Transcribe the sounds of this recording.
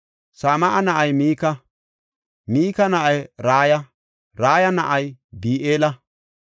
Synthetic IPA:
saːmɐʔɐnɐʔɐjmiːkɐ | miːkɐnɐʔɐjɾaːjɐ | ɾaːjɐnɐʔɐjbiːʔeːlɐ

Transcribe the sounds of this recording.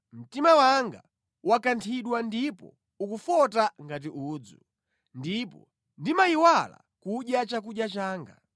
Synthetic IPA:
m̩timawaŋɡa̰ | wakantʰiɗwandipɔ̰ | ukufɔtaŋɡat̬iʔuːd͡zu | ndipɔ | ndimaiwala̰ | kuɗjat͡ʃak̬uɗjat͡ʃaːŋɡa̰

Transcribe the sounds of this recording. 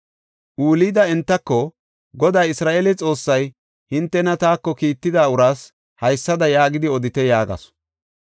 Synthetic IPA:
ʔuːliːd̪ɐɛnt̪ːɐkːɔ | ɡɔd̪aːjɪsɾaːʔeːlɛt͡sʼo̞ːsːɐj | hɪnt̪ːɛnɐt̪aːkːɔkiːt̪ːɪd̪aːʊɾaːs | hɐjsːɐd̪ɐjaːɡɪd̪ɪɔd̪ɪt̪ɛjaːɡɐ̰s

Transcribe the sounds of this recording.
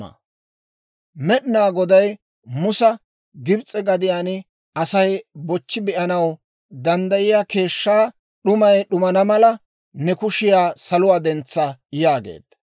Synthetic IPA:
ɐ̰ | mɛɗɪnaːɡɔd̪ɐj | mʊsɐ | ɡɪbt͡sʼɛɡɐd̪ɪjaːn | ɐsɐjbɔt͡ʃːɪbɪʔɐnɐw | d̪ɐnd̪ɐjɪjaːke̞ːʃːaː | ɗʊmɐjɗʊmɐnɐmɐlɐ | nɛkʊʃɪjaːsɐlʊwaːd̪ɛnt͡sːɐjaːɡḛːd̪̥

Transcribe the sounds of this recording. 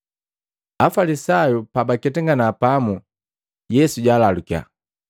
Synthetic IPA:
afalisajupabakɛtɛŋɡanapamu | jɛsuɟaːlalukia̰

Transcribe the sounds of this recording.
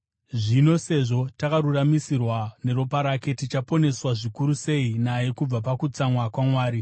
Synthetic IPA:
ʐino̞se̞ʐo̞takaɾuramisirwane̞ɾopaɾake̞tit͡ʃapo̞ne̞swaʐikuɾuse̞inaje̞kub͡vapakut͡samwakwamwaːɾi

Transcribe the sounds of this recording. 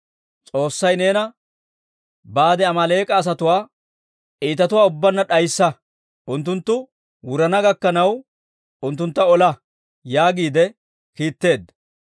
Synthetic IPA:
t͡sʼo̞ːsːɐjne̞ːnɐ | baːd̪ɛɐmɐle̞ːkʼɐːs̬ɐt̪ʊwaː | ʔiːt̪ɐt̪ʊwaːʊbːɐnːɐɗɐjsːɐ | ʔʊnt̪ːʊnt̪ːʊ | wʊɾɐnɐɡɐkːɐnɐw | ʊnt̪ːʊnt̪ːɐɔlɐ | jaːɡiːd̪ɛ | kiːt̪ːe̞ːd̪ːɐ

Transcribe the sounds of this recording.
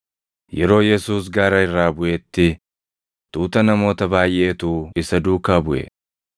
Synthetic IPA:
jɛɾo̞ːjɛsuːs̬ɡaːɾɐɪrːaːbʊʔet̪ːɪ | t̪uːt̪ɐnɐmo̞ːt̪ɐbaːjʔe̞ːt̪uːɪsɐd̪uːkːabʊʔɛ̰

